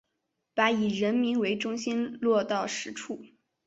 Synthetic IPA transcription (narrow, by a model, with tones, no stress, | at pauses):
pa˧˥i˨˩ɻə˧˥nmi˧˥nwe˧˥ɪʈ͡ʂʊ˥ŋɕi˥nlwɔ˥˧t̪ɑ˥˩ʊʂɻ̩˧˥ʈ͡ʂʰu˥˩